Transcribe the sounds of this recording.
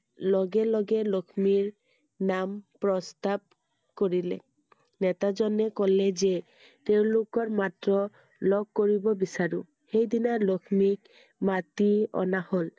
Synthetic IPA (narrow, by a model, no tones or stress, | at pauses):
lɔɡɛlɔɡɛlokʰmiɹ | nampɹɔst̪ab̚ | koɹilɛ̰ | nɛt̪azɔnɛkɔlɛzɛ | t̪eʊ̃lokɔɹmatɹɔ | lɔɡ̚koɹibɔbisaɹu | xejdinalɔkʰmik | mat̪iɔ̰nahol